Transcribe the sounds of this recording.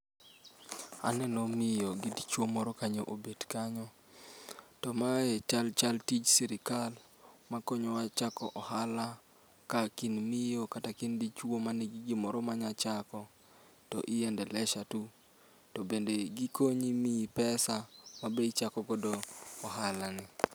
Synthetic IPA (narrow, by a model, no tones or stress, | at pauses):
a̰nɛnomɪjoɡidit͡ʃwomɔɾɔkaɲoʔobedkaɲɔ | tɔmaɛt͡ʃalt͡ʃaltit͡ʃsiɾɪkal | makɔɲɔwat͡ʃakɔ̰ʔɔhala | kakinmɪjokatakɪndit͡ʃwomaneɡiɡɪmɔɾɔmaɲat͡ʃakɔ | tɔ̰ʔɪjɛndɛlɛʃatu | tɔbendeɡikoɲimipɛsamabet͡ʃakɔɡɔdoːɦalanɪ